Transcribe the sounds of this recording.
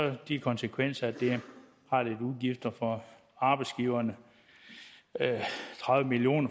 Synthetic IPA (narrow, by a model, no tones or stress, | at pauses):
ɒd̥ikʰɒ̽nsəkʰʋen̰sɐæd̥e̝ | hɑ̈d̥eduðˠɡ̥ifd̥ɐfɒ̽ | ɑ̈b̥ɑ̈ɪdsɡ̥iːʊɐnə | t͡sʰʁɑ̈ðˠʋəmilio̝̰ːnɐ